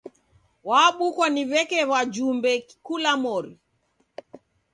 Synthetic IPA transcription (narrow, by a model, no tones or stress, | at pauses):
waɓukwaniβɛkɛβad͡ʒumbɛkkulamɔɾi